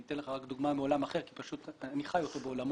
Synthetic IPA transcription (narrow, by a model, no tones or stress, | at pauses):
it̪enleχaʁakd̪uɡmameo̞lamaχe̞ʁki̥paʃut̪aniχajo̞t̪o̞beolam